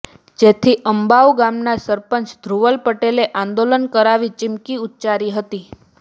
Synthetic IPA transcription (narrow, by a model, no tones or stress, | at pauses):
d͡ʒet̪ʰiʔəmbaʋɡamnasəɾpənsd̪ʱɾuʋəlpəʈeleʔãnd̪olənkəɾaʋit͡ʃɪmkiut̪ːt͡ʃaɾiɦət̪i